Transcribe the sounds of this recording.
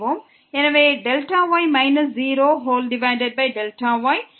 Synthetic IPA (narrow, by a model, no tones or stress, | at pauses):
ɦoːm | ɪnəʋeːɖelʈaʋaːjmaɪnəsziːɾoːɦoːlɖɪmãːɳɖeɖ̚baɪɖelʈaʋɔj